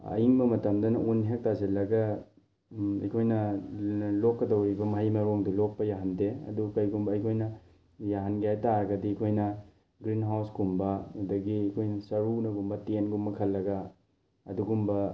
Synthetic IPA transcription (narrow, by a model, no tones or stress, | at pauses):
ɐ̰jiŋbɐmɐtɐmdɐnɐʔunɦek̚tazilːɐɡɐ | ɐ̰jkʰojnɐ | lokːɐdɐwɾibɐmɐɦɐjmɐɾoŋdilok̚pɐjaɦɐndeɐ̰dukɐjɡumbɐɐjkʰojnɐ | jaɦɐnɡjajtaɾɐɡɐdikʰojnɐ | ɡɾinɦawsɡumbɐudɐɡiɐkʰojnɐsɐɾunɐɡumbɐtenɡumbɐkʰɐlːɐɡɐ | ɐ̰duɡumbɐ